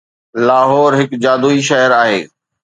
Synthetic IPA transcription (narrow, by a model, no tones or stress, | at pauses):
laːɦɔːɾɦɪkd͡ʑaːd̪uːiʃɐɦəɾaːɦḛː